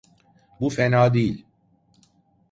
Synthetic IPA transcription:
bufenɑːd̪iːl

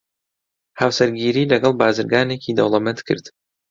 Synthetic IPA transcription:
hawsɐɾɡiːɾiːlɐɡɑlˠbaːzɨɾɡaːneːciːd̪ɐ̰wlˠɐmɛnt̪kʰɨ̰ɾd̪

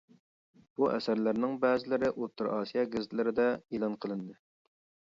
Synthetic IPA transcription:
b̥uʔɛ̰sæɾlæɾnɪŋbæːzɪlɪɾɪʔot̪ʰːɨɾɑːsijɑɡɪzt̪ʰlɪɾɪd̪ɛelˠɑnqʰəlˠɨnd̪ɨ

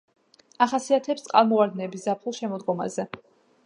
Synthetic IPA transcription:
aχasiat̪ʰɛpst̪sʼqʼalˠmɔvaɾd̪nɛːbiszapʰχulˠʃɛmɔd̪ɡɔma̰zɛ

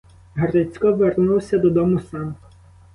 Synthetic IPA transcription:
ɦɐɾɪt͡sʲkɔʋernuwsʲɐd̪ɔd̪ɔmʊsɑm

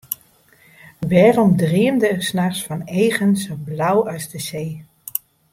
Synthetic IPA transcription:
ʋɛːrɔmdriəndəːrsnaχsfɑnejχənsoblawœɥsdəzeː

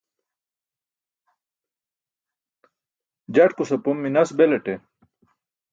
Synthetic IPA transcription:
d͡ʑɐʈkusɐpomːinɐsbeleʈe

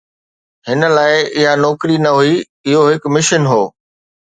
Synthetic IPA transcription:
hɪnə̆laːɪɪɦanɔːkɾinɐɦui | ɪɦoɦɪkmɪʃənɦoː

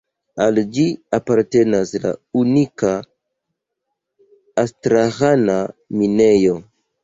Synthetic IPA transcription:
ald͡ʒiapaɾte̞nasla̰unika | stɾaɣanamine̞jo

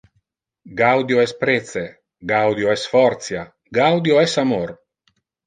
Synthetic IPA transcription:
ɡawd̪joɛspɾet̪se | ɡawd̪joɛsfɔɾt̪sja | ɡawd̪joɛsamoɾ

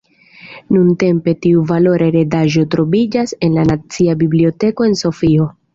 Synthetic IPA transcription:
nunte̞mpe̞tiuvalo̞ɾʔeɾe̞daʒo̞tɾo̞vid͡ʒase̞nlanat͡siabiblio̞te̞ko̞e̞nso̞fio̞

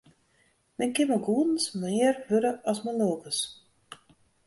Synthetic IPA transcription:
mɛnkɪməɡuədn̩smɪːərhøɾəʔɔsməloːkəs

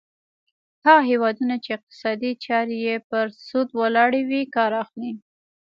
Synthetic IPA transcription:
haɣaɦewɑd̪unat͡ʃeɪq̚t̪ɪ̥sɑd̪it͡ʃɑɾejepəɾsud̪wəlɑɽewikɑɾɑxli

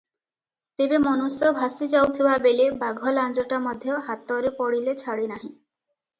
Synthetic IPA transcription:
t̪ebemɔnusɔbʱasid͡ʒawt̪ʰibabelibaɡʱɔland͡ʒɔʈamɔd̪ʱjɔɦat̪ɔɾepɔɽilet͡ʃʰaɽinaɦĩ

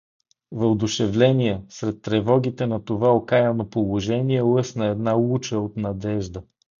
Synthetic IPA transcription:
vɐd̪ʊʃɛvlɛnʲijɛsɾɛt̪ːɾɛvɔɡ̟it̪ɛnɐt̪ovaokajənopolˠoʒɛniɛlˠɤsnəɛd̪nalˠut͡ʃəot̪nɐd̪ɛʒd̪ə

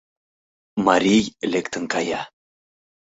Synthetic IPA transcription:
mɑɾʲijlekt̪ə̆nkɑjɑ

